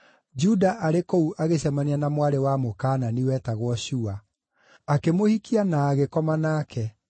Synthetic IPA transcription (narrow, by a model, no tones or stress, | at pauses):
d͡ʒudaʔaɾekouʔaɣeɕɛmanianamwaɾewamokaːnaniwɛːtaɣwɔɕua | akemohikʰianaːɣekɔmanaːkʰɛ